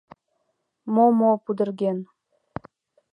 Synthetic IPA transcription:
momopud̪ərɣen

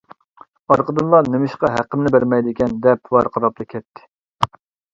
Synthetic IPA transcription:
ɑɾqəd̪ɨnlˠɑnɪmɪʃqɑɦæqəmnɪbæɾmɛjd̪ɪkʲɛnd̪ɛp̚wɑɾqʰɑɾɑp̚t̪ɨkʲʰɛt̪ʰːɪ̥

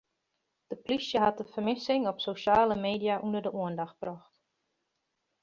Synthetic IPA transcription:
d̥əplisjəɦat̚dəfərmɪsɪŋɔpsoʃaːləmeːdijaʔundərdəʔuəndaxt̚b̥rɔxt

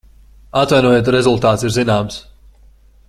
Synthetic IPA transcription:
at̪vajnuɔjet̪ɾezulˠt̪aːt̪siɾzinaːms

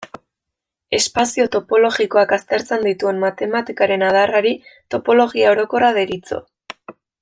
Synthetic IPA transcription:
e̞spasio̞t̪o̞po̞lo̞ɣiko̞akast̪e̞ɾt͡se̞nd̪it̪ue̞nmat̪e̞mat̪ikaɾe̞nað̞araɾit̪o̞po̞lo̞ɣiao̞ɾo̞ko̞raðe̞ɾit͡so̞̰

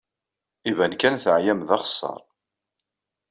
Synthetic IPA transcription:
ivænkænθʕjæmðɑχə̥sˤːɑ̰ɾˤ

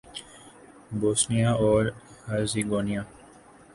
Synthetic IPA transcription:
boːsnijaːɔːɾhaːziːɡoːnijaː

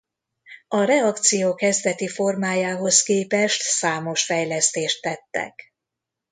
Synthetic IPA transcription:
ɒɾɛɒkt̪sijoːkɛzd̪ɛt̪ifo̞rmaːjaːɦo̞skeːpɛʃt̪saːmo̞ʃfɛjlɛst̪eːʃt̪ːɛt̪ːɛ̰k

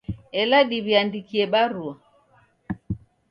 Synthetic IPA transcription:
ɛlaɗiβiandikiɛɓaɾua

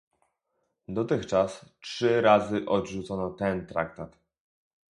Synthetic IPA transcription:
d̪ɔt̪ɘxt͡ʂastʂɘɾazɘʔɔd̪ʐut̪sɔnɔt̪ɛnt̪ɾa̰k̚t̪at̪

